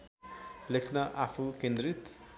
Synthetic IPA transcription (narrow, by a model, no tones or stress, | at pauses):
lekʰnaʔapʰukẽnd̪ɾit̪